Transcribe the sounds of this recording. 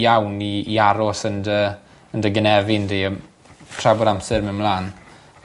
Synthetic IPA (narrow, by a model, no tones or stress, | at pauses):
jawniːaɾɔsəndə | əndəɡənɛvɪndeə | tʰrabɔɾamsɛɾmɪwmlˠaːn